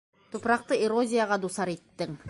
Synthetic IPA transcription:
t̪ʰŏpɾɑq̚t̪əeɾo̞zʲijaʁɑd̪usɑɾet̪ːɪŋ

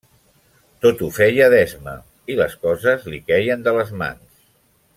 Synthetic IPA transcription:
t̪ot̪ufɛjəðɛzmə̰ | iləskɔzəzlikɛjənd̪ələzma̰ns

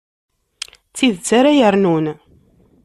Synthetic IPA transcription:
t͡sːiðt͡sːaɾajəɾnun

